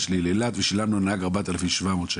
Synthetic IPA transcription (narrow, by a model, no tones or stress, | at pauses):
ʃlilelat̪veʃilamnunahaɡaʁbat̪alafimʃvamoːt̪ʃa